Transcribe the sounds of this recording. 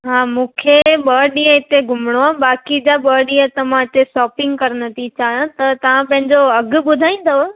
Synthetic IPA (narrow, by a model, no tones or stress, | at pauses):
ɦaːmũːkʰeɓəːɗĩːə̃ɪt̪eɡʱʊmɽ̃oaːbaːkid͡ʑaɓəːɗĩjə̃t̪ɐʋãt͡ɕesɔːpɪ̃ŋɡkɐɾnɐt̪ʰit͡ɕaːɦijõt̪ɐt̪ɐʋ̤ãpɐ̃ɦɪ̃ɲd͡ʑoɐɡʊ̆ɓʊd̪ʱaːĩːn̆d̪o